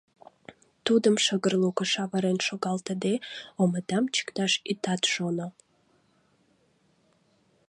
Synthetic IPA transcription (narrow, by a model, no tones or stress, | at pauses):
t̪ud̪əmʃəɡərlˠukəʃɑvaɾenʃoɡɑlˠt̪əd̪eoməd̪amt͡ʃʰə̥kt̪ɑʃit̪ɑt̪ʃono